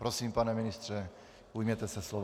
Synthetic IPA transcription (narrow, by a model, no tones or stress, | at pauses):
pɾɔsiːmpanɛminist̪ɾɛ | ujmɛt̪ɛsɛslɔʋ